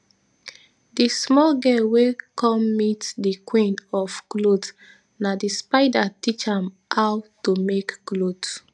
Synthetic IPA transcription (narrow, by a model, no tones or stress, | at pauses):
dismɔlɡɛwekɔmmitdikwĩnɔfklod | nadispaɪdatit͡ʃãm | hawtumekklot